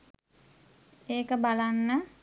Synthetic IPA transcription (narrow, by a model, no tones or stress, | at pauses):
eːkəbalanːə